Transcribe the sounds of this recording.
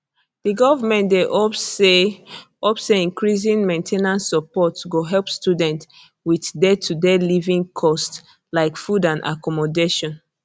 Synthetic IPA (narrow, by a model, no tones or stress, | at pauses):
d̥iɡɔvamɛ̃ndeʔɔe | ɔpseĩnkɹiz̬ĩnmẽntʰenãnsːɔpɔtɡoɦɛlpstudɛ̃nt | wiθdetʰudɛlivĩŋkʰɔst | laɪkfudãnʔa̰kɔmɔdeʃɔ̃n